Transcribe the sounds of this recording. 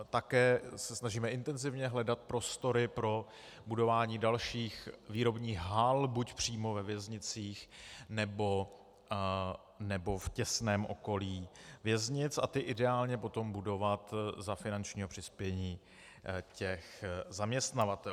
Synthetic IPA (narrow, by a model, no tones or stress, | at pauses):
t̪akɛːsɛsnaʒiːmɛʔɪnt̪ɛnzɪvɲɛɦlɛdat̪̚pɾo̞st̪o̞ɾɪpɾo̞ | budo̞vaːɲiːdalʃiːxviːɾo̞bɲiːɣɦalbucpr̝̥iːmo̞vɛvjɛzɲɪt͡siːxnɛbo̞ | nɛbo̞fcɛsnɛːmʔo̞̰ko̞liːvjɛzɲɪt͡sa̰t̪ɪʔɪdɛaːlɲɛpo̞t̪o̞mbudo̞vat̪zafɪnant͡ʃɲiːɦo̞pr̥ɪspjɛɲiː | cɛxzamɲɛst̪navat̪ɛ